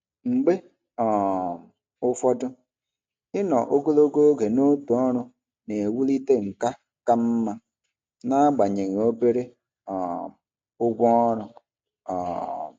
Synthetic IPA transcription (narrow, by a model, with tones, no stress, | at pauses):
ŋ͡m̩˨ɡ͡be˦ | ɔ˨m˨ | ʊ˦fɔ˦dʊ˦ | ɪ˦nɔ̰˨ʔo˦ɡo˦lo˦ɡo˦ɡe˨no˦tu˨ɔ˦ɾʊ˦ | ne˨wu˦li˦te˦ŋ̩˨ka˦ | ka˦m̩˦ma˦ | na˦ɡ͡ba˨ɲe˨ŋ˨o˦be˦ɾe˦ | ɔ˨ | ʊ˦ɡʷɔ˦ɔ˦ɾʊ˦ | ɔ̰ː˨